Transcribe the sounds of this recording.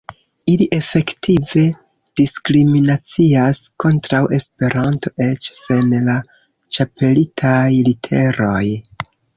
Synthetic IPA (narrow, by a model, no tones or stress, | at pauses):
iliʔe̞fe̞ktʰive̞ | d̥iskɾiminat͡siasko̞ntɾawʔe̞spe̞ɾʔanto̞ʔe̞t͡ʃse̞nla | t͡ʃape̞litʰajlitʰe̞ɾo̞j